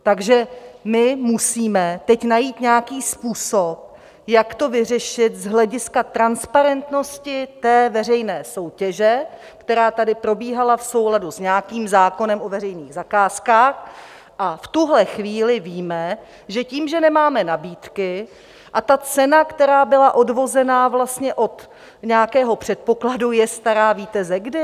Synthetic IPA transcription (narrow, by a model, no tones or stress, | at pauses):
t̪aɡʒɛmɪmusiːmɛt̪ɛcnajiːt̪ɲɛakiːspuːsop̚ | jakt̪o̞vɪr̝ɛʃɪt̪zɦlɛɟɪskat̪ɾanspaɾɛnt̪no̞scɪt̪ɛːvɛr̝ɛjnɛːso̞wcɛʒɛ | kt̪ɛɾaːt̪adɪpɾo̞biːɦalafso̞wladusɲɛakiːmzaːko̞nɛmʔo̞vɛrɛjniːɣzakaːskaːx | ʔaft̪uɦlɛxviːlɪviːmɛ | ʒɛciːmʒɛnɛmaːmɛnabiːt̪kɪ | ʔat̪at͡sɛnakt̪ɛɾaːbɪlaʔo̞dvo̞zɛnaːvlast̪ɲɛʔo̞t̪ | ɲɛakɛːɦo̞pr̝̥ɛt̪̚po̞kladujɛst̪aɾaːviːt̪ɛzɛɡdɪ